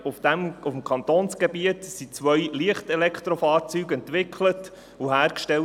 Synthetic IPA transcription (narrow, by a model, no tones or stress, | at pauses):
ufd̥̪æmufm̩kʰɑnt̪oːnsɡ̥ebiətsit͡sʋœjliəχtɛlɛkʰt̪ɾɔfɑːɾt͡syːɡɛntʋɪkʰlət | uɦæːɾkʃtɛl